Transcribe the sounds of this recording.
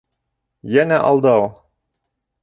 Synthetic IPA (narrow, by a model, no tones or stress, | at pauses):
jænæʔɑ̰lˠd̪ɑu